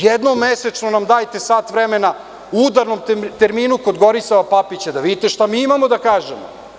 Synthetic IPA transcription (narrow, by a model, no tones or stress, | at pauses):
jed̪nomːese̞t͡ʃnonamd̪aːjt̪e̞saːt̪ʋɾeme̞na | uud̪aɾno̞mt̪eɾmiːnuko̞d̪ɡo̞ɾisaʋapapit͡ɕed̪aʋid̪it̪eʃt̪amiːimamo̞d̪akaːʒemo̰